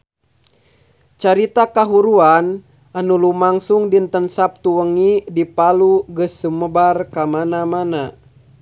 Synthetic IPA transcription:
t͡ʃaɾit̪akaɦuɾuan | anulumaŋsuŋdint̪ənsap̚t̪uəŋidipaluɡəsːəməbarkamanamana

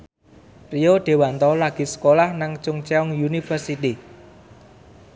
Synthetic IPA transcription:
rijoɖ̪̥e̤want̪ɔlaɡ̥i̤sə̥kolahnaŋt͡ʃʊŋt͡ʃeɔŋjunifərsit̪i

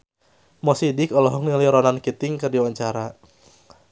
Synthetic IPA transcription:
mɔsidɪkɔlɔɦɔŋliliɾɔnankit̪ɪŋkɨrdiwaɲt͡ʃaɾa

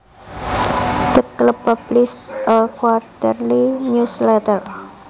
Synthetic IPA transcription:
d̪̥əkləpəblɪst̪əkwart̪ərliɲuslɛt̪ər

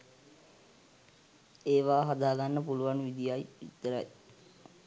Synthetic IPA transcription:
eːʋaːɦad̪aːɡanːəpuluʋanʋid̪ijajḭt̪ːəɾa̰j

